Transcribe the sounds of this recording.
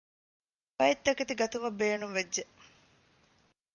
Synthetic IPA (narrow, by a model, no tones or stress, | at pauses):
bɐjit̪ːɐket̪iɡɐt̪umɐbːeːnumʋed͡ʒːe